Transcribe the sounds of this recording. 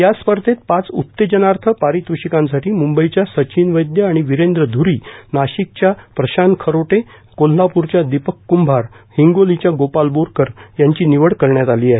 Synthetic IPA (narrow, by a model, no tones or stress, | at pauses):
jaspəɾt̪ʰet̪̚pat͡sṵt̪ːed͡ʑənaɾt̪ʰəpaɾit̪ʋuɕikãnsaʈiːmumbəit͡ɕjasət͡ɕinʋəjd̪jəaɽ̃iʋiɾend̪ɾəd̪ʱuɾiːnaɕik̚t͡ɕjapɾəɕankʰəɾoʈe | kol̤ːapuɾt͡ɕjad̪ipəkːumbʱaɾ | hiŋɡolit͡ɕjaɡopalboɾkəɾjaɲt͡ɕiːniʋəɽkəɾɳjat̪aliːaɦe